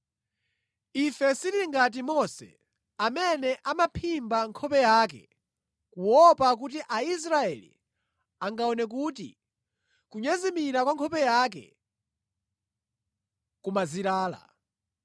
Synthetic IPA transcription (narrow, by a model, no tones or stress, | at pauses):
ifɛsiɾiŋɡat̬imɔsɛ̰ | amɛnɛʔamapʰimbaŋkʰɔpɛjaːk̬ɛ̰ | kuwɔpak̬ut̬iʔais̬ɾaɛlḭ | aŋɡaɔnɛk̬uːtḭ | kuɲɛzimiɾakwaŋkʰɔpɛjaːk̬ɛ̰ | kumaziɾaːla̰